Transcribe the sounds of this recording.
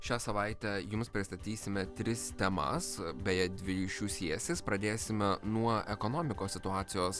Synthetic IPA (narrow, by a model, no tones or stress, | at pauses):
ʃʲæːsɐʋɐˑɪt̪ʲɛjʊmspʲɾʲɪst̪ɐt̪ʲiːsʲɪmʲɛt̪ʲɾʲɪst̪ʲɛmɐ̰sbʲɛjɛd̪ʲʋʲɪɾʲiːʃʲuːsʲiɛsʲɪspɾɐd̪ʲeːsʲɪmʲɛnuɔɛkɔnoːmʲɪkoːsʲɪt̪ʊɑːt̪sʲɪjoːs